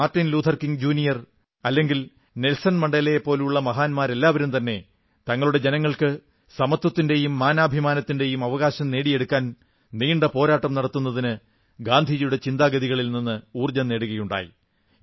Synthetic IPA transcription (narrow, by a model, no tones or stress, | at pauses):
aːrtːinluːt̪ʰɐrkiŋɡd͡ʑuːnijɐr | ɐlːe̞ŋɡil | nelsɐnmɐɳɖelejepːo̞ːluɭːɐmɐɦaːnmaːɾe̞lːaːʋɐɾumt̪ɐnːe̞ | t̪ɐŋːɐɭuɽe̞d͡ʑe̞nɐŋːɐɭkɨ | sɐmɐt̪ːɐt̪ːinde̞jumːaːnaːbʱimaːnɐt̪ːinde̞jumɐʋɐɣaːɕɐmne̞ːɽije̞ɽukːaːn | niːɳɖɐpo̞ːɾaːʈːɐmnɐɽɐt̪ːunːɐðinɨ | ɡaːnd̪ʱijjuɽe̞t͡ɕind̪aːɡɐðiɣɐɭilninːɨuːrd͡ʑɐnːe̞ːɽuɣɐjuɳɖa̰ːjḭ